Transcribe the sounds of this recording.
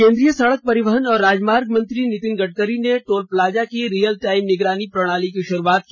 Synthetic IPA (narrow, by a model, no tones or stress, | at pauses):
kẽːnd̪ɾijəsɐɽək̚pɐɾɪʋəɦənɔːɾːaːd͡ʒmaːɾɡmɐ̃nt̪ɾinɪt̪ɪnɡɐʈ̚kəɾineʈoːlplaːd͡ʒakiɾiːjəlʈaːɪmnɪɡɾaːnipɾɐɽ̃aːlikiʃʊɾuaːt̪̚ki